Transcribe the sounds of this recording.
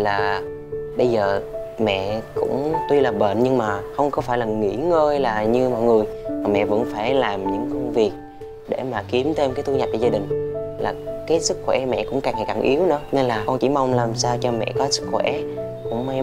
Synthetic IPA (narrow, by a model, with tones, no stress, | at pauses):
laː˨˩ | ɓə˧jzəː˨˩ | mɛ̰˧˨kʊ̰˧˥ŋ͡mt̪wi˧laː˨˩ɓə˧˨nɲɨ˧ŋmaː˨˩xə˧wŋ͡mkɔ˨˦faː˧˩jlaː˨˩ŋḭ˧˥ŋəː˧jlaː˨˩ɲɨ˧mɔ˨˩jŋɨ˨˩əjmaː˨˩mɛ̰˧˨və̰˧˥nfaː˧˩jlaː˨˩mɲɨ̰˧˥ŋkə˧wŋ͡mvi˨˩ək̚ | ɗe˧˩maː˨˩ki˨˦əmt̪ʰe˧mkaː˨˦jt̪ʰɲa˨˩t̚t͡ɕɔ˧zaː˧ɗï˨˩ŋ̟laː˨˩kaː˨˦jsɨ˦˥k̚xwɛ˧˩mɛ̰˧˨kʊ̰˧˥ŋ͡mkaː˨˩ŋaː˨˩jkaː˨˩ŋʔi˨˦əwnɨ̰˧˥əne˧nlaː˨˩kɔ˧nt͡ɕḭ˧˩ma˧wŋ͡mlaː˨˩msaː˧wt͡ɕɔ˧mɛ̰˧˨kɔ˨˦sɨ̥˦˥k̚xwɛ̰˧˩ | kʊ̰˧˥ŋ͡mma˧